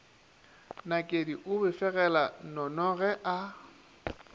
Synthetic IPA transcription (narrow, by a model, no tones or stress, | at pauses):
nakʼediʔʊbɪfɛɣɛlanɔnɔɣɛʔa